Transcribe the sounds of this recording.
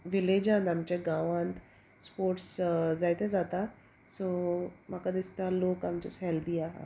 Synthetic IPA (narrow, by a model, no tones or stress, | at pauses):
ʋɪled͡ʒãːnd̪amt͡ɕeɡaːʋãnt̪ | spoːɾʈszaːit̪ezaːt̪a | soːmaːkad̪ist̪aloːkamt͡ʃesɦɛld̪iaːɦa̰